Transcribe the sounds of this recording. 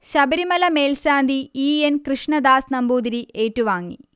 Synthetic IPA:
ɕɐbɐɾimɐlɐmeːlɕaːnd̪ʱiiːenkɾɨʂɳɐd̪aːsnɐmbuːd̪iɾieːʈːuʋaːŋːḭ

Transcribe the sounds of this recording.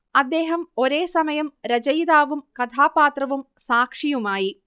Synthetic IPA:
ɐd̪ːe̞ːɦɐmo̞ɾe̞ːsɐmɐjɐmɾɐd͡ʑɐjðaːʋumkɐt̪ʰaːpaːt̪rɐʋumsaːkʂijumaːji

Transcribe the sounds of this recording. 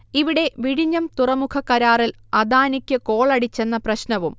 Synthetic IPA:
iʋiɽe̞ʋiɽiɲːɐmt̪urɐmukʰɐkɐɾaːrilɐd̪aːnikʲːɨko̞ːɭɐɽit͡ɕːe̞nːɐprɐɕnɐʋum

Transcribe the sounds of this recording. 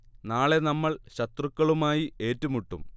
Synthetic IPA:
naːɭe̞nɐmːɐɭɕɐt̪rukːɐɭumaːjie̞ːtːumuʈːṵm

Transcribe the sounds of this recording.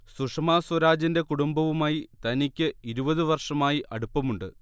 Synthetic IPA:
suʂɐmaːswɐɾaːd͡ʑinde̞kuɽumbɐʋumaːjit̪ɐnikʲːɨiɾubɐðɨʋɐrʂɐmaːjiʔɐɽupːɐmuɳɖɨ

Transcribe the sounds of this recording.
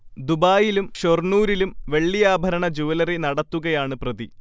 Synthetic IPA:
d̪ubaːjilumɕornuːɾilumʋe̞ɭːijaːbʱɐɾɐɳɐd͡ʑuʋɐlɐrinɐɽɐt̪ːuɣɐjaːɳɨprɐði

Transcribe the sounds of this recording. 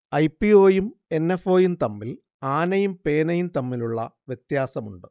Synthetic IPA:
ɐjpːio̞ːjume̞nːefo̞ːjumt̪ɐmːil | aːnɐjumpe̞ːnɐjumt̪ɐmːiluɭːɐ̰ʋjet̪jaːsɐmuɳɖɨ

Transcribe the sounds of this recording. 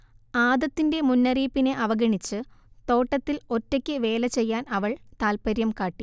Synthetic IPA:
aːd̪ɐt̪ːinde̞munːɐriːpːine̞ʔɐʋɐɡɐɳit͡ɕːɨt̪o̞ːʈːɐt̪ːilo̞tːɐkʲːɨʋe̞ːlɐt͡ɕe̞jːaːnɐʋɐɭt̪aːlpɐɾjɐmkaːʈːi

